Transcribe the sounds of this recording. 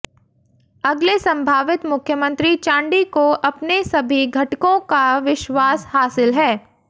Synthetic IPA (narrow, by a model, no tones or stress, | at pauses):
ɐɡlesɐ̃mbʱaːʋɪt̪mʊkʰjəmə̃nt̪ɾit͡ʃãːɳɖikoʔɐpnesɐbʱiɡʱɐʈkõkaʋɪʃwaːshaːsɪlɦɛː